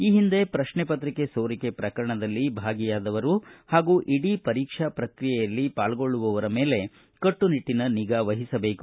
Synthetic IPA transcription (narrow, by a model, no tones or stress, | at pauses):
iːɦind̪e̞pɾɐʃɳɛpɐt̪ɾike̞soːɾikepɾɐkɐɾɐɳɐd̪ɐlːibʱaːɡijaːd̪ɐʋɐɾuhaːɡuːʔiɽipɐɾiːkʂapɾɐkɾijɛjɐlːipaːlɡo̞ɭːuʋɐʋɐɾɐmeːle̞ | kɐʈːuniʈːinɐniɡaːʋɐɦisɐbe̞ːku